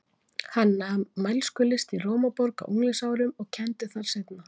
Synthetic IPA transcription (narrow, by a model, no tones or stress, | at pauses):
hanːamajlskʏlɪst̪iroːwmapɔɾka̰ʔṵŋlɪsaːwɾʏmɔɣcʰɛnt̪ɪθaɾ̥sejt̪na